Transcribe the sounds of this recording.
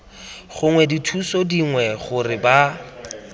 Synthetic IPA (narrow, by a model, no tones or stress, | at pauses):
χʊŋwɛditʰusɔdiŋwɛχʊrɪba